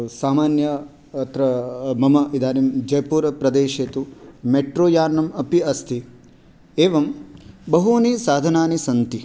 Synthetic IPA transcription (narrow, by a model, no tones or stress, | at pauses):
saːmaːnjɐ | t̪ɾɐmɐmɐid̪aːnimd͡ʒɐjɐpuːɾɐpɾɐd̪eːʃeːt̪umeʈɾoːjaːnːɐmɐpiɐst̪ʰi | eːʋɐmbɐɦuniːsaːd̪ʱɐnaːnisɐnt̪i